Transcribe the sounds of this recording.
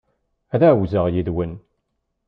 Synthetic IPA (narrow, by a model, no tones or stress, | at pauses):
æðæwzəʁjiðwən